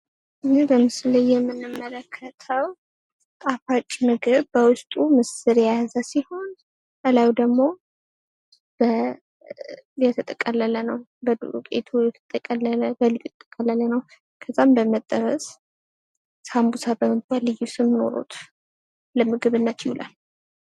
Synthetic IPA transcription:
ʔɨnibəmɨsləjːɛmːɨnɨmːələkʰːət̪ʰəw | t̪ʼafat͡ʃʼːmɨɡɨβbəwʊst̪ʼumɨsɨɾjazəsiho̞n | əlawd̪əɡmo̞ | b̥ə | jɛt̪ʰət̪ʼəkʼəlːələnəw | bəd̪ṵɾukʼḛt̪ʰujɛt̪ʰət̪ʼəkʼələbəlɨjt̪ʰət̪ʼːəkʼəlːələnəw | kʰəzambəmət̪ʼːəɾəs | sambusʰabəmɨt̪̚balːɨjːusɨmno̞̰ɾo̰t̪ʰ | ləmɨɡɨβɨnːət̪jɪhulʔa̰l

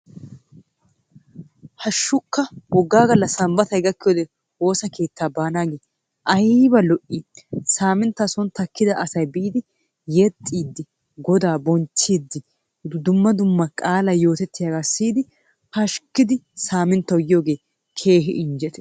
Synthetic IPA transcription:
hɐʃːʊkːɐwɔɡːaːɡɐlːɐsɐmbɐt̪ɐjɡɐkːɪjoːd̪ɛ | o̞ːsɐke̞ːt̪ːaːbaːnaːɡeː | ʔɐjbɐlɔʔisaːmɪnt̪ːasɔnt̪ɐkːɪd̪ɐʔɐsɐjbiːd̪ɪ | jɛt̪ʼːiːd̪ːɪ | ɡɔd̪aːbɔnt͡ʃːiːd̪ːɪ | d̪ʊmːɐd̪ʊmːɐkʼaːlɐjo̞ːt̪ɛt̪ːɪjaːɡaːsiːd̪ɪ | hɐʃkːɪd̪ɪsaːmɪnt̪ːɐwjɪjo̞ːɡe̞ː | kʰe̞ːɦɪ̰ʔɪnd͡ʒɛt̪ɛ̥

